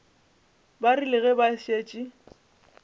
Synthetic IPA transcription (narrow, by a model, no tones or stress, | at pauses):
barilɪɣɛbaʃeːt͡ʃʼi